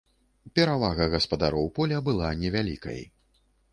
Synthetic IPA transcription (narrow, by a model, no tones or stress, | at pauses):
pʲɛɾavaɣɐɣɐspɐd̪aɾɔwpɔlʲɐbɨlˠanʲɛvʲalʲḭkɐ̰j